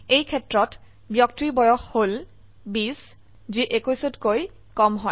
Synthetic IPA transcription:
ejkʰɛtɹɔt | bjɔk̚tɹibɔjɔxhol | bis | ziʔekusutkoj | kɔmɦɔj

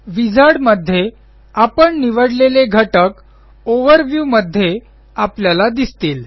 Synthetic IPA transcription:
ʋid͡zʱaɽməd̪ʱːje | apəɳniʋəɽleleɡʱəʈək | oʋəɾʋjuməd̪ʱːje | apljalad̪ist̪iːl

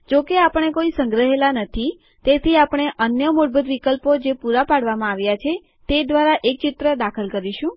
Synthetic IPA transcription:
d͡ʒokeapəɳ̃ekoisəŋɡɾəɦelanət̪ʰi | t̪et̪ʰiapəɳ̃eʔənjəmoɽbət̪ʋikəlpod͡ʒepuɾapaɽʋamãaʋjat͡ʃʰe | t̪ed̪ʋaɾaʔek̚t͡ʃɪt̪ɾəd̪akʰəlkəɾiʃũ

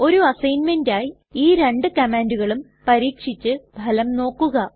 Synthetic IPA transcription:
o̞ɾuɐsɐjnmendaːji | iːɾe̞ɳɖɨkɐmaːnduɣɐɭum | pɐɾiːkʂit͡ɕːɨbʱɐlɐmno̞ːkːuɣɐ

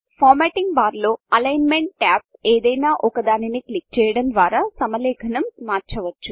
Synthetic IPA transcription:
pʰaːɾmeːʈiŋɡbaːɾlo̞ːɐlɐjnmeɳʈʈaːp̚eːd̪ɐjnaːʔɔkɐd̪aːniniklik̚t͡ʃɛːjɐɽɐmd̪ʋaːɾaːsɐmɐlɛːɡʱɐnɐmːaːɾt͡ʃɐʋɐt͡ʃːu

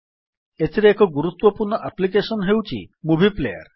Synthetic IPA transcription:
et̪ʰiɾeekɔɡuɾut̪wəpuɾɳəʔæplikeʃənɦewt͡ɕḭːmubʱiplejə̰ɾ

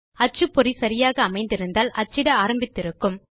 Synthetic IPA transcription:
ɐt͡ʃːɯpːɔɾisɐɾɪjaːɣɐːmɐɪnd̪ɪɾɯnd̪aːlʔɐt͡ʃːɪɽɐaːɾɐmbɪt̪ːɪɾɯkːɯm

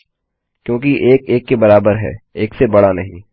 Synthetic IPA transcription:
kjõːkiʔeːkeːkːebɐɾaːbəɾɦɛ̰ːeːksebɐɽanɐɦĩ

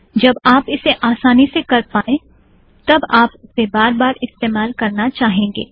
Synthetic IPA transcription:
d͡ʒɐbaːpɪseʔaːsaːnisekɐɾpaːẽ | t̪ɐbaːpʊsebaːɾbaːɾɪst̪eːmaːlkɐɾnat͡ʃaːɦẽːŋɡḛː

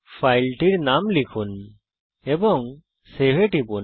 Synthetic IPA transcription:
pʰajlʈiɾnamlikʰun | ɛbɔŋ | seweʈibun

